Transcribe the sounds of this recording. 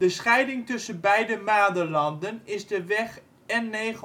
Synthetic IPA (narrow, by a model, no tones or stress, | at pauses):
dəsχɛjdɪŋtʏsənbɛjdəmaːdəlɑndənɪzdəʋɛχ | ɛnːeχ